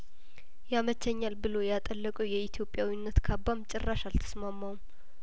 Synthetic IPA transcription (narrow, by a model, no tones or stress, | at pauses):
jamət͡ʃʰːəɲːalbɨlo̞jat̪ʼəlːəkʼəwjɛit̪ʰjo̞pʼːjawinːət̪kʰabːamt͡ʃʼɛrːaʃalt̪ʰə̥smamːawum